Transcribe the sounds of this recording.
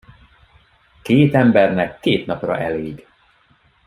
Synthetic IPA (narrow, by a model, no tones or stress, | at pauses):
keːt̪ɛmbɛrnɛkːeːt̪nɒprɒ̰ʔɛleːɡ